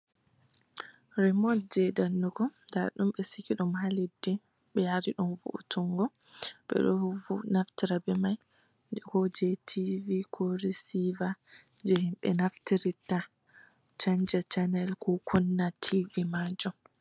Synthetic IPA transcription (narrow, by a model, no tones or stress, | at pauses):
ɾɛmɔt̚d͡ʒɛdanːukɔdaɾɗumɓɛsikiɗumhalidːi | ɓɛjaɾiɗumvṵʔṵtuŋɡɔ | ɓɛ̰ɗɔhuvunaftiɾabɛmaj | kɔd͡ʒetʰivikʰɔɾisiva | d͡ʒɛhimɓɛ̰naftiɾita | t͡ʃaɲd͡ʒat͡ʃanɛlkɔkʰunːatʰivimad͡ʒɔ